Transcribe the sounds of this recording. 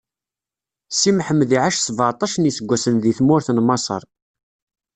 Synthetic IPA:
simħəmːðiʕaʃsvɑɾˤt̪ˤɑʃənisəɡʷːæsənðiθmʊɾθnmɑsˤə̰ɾˤ

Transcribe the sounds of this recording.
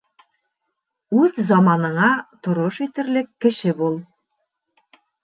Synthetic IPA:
ʉðzɑmɑnɤ̆ɴɑt̪ŏɾoʃit̪ɘ̆ɾlɘkːɘ̆ʃɘbulˠ

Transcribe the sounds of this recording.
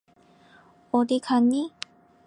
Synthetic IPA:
ɔd̪ikʰanːi

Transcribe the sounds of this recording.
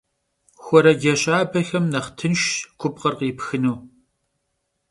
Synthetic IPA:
xʷɔɾɐɡʲɛɕʼaːbɐɬɐmnɐχtʰɨnʃkʷʰʊp̚qɐrqiːpxɨnuː

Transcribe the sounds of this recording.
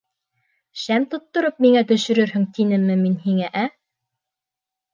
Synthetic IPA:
ʃæmt̪ŏt̪ːŏɾop̚miŋæt̪ɵ̆ʃɵ̆ɾɵɾɦɵŋt̪inɘmːɘminhiŋæʔæ

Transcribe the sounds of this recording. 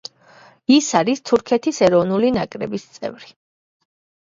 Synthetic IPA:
isaɾist̪ʰuɾkʰɛt̪ʰisɛɾɔvnulinakʼɾɛbist̪sʼɛ̰vɾi

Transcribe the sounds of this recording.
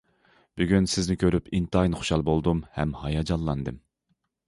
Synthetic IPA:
b̥yɡʲynsɪznɪkʲʰøɾypʰint̪ɑjnχo̥ʃɑlˠbolˠd̪umhɛ̰mhɑjɑd͡ʒɑlˠːɑnd̪ɨm

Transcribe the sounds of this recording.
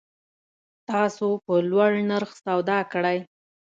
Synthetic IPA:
t̪ɑsopəlwaɽɳaɾxsawd̪ɑkəɽaj

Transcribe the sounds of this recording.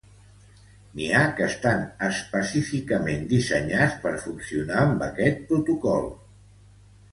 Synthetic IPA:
niakəst̪anəspəsifikəmend̪isəɲat͡spəɾfunsiunaəmbəkɛt̪̚pɾut̪ukɔlˠ

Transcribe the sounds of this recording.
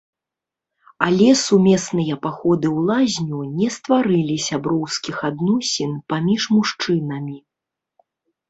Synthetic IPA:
alʲɛsumʲɛsnɨjɐpaxɔd̪ɨwlˠazʲnʲunʲɛst̪vaɾɨlʲisʲabɾɔwskʲixad̪nɔsʲinpamʲiʂmuʂt͡ʂɨnɐmʲi

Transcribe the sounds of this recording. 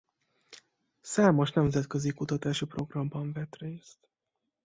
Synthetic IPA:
saːmoʃnɛmzɛt̪køzikut̪ɒt̪aːʃipro̞ɡrɒmbɒɱvɛt̪reːst̪

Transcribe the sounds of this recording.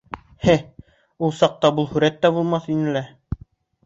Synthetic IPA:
hɘ | ulˠsɑq̚t̪ɑbulˠhʉɾæt̪ːæbulˠmɑθinɘ̆læ

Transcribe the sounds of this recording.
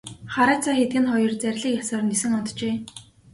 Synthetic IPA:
χaɾaːt͡saːxet̪ɡɘ̆nχɔjɞ̆rt͡sæɾʲɮiːkjasəːrnesɘ̆ŋɔnt̪t͡ɕeː

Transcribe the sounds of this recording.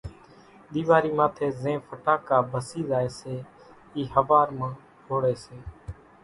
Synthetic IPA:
ɗ̪iːʋaːɾiːmãːt̪ʰeːzẽːfəʈaːkaːbʱəsiːzaːeːseː | iːhəʋaːɾmãː | hʰoːɽeːseː

